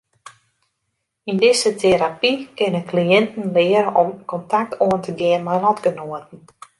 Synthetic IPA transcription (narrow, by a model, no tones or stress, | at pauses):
indɪsətʰeɾapikɪnənkliɪntən̩lɪəɾəʔɔmkɔntʰak̚tʰoəntəɡɪənmajlɔtɡənoətən̩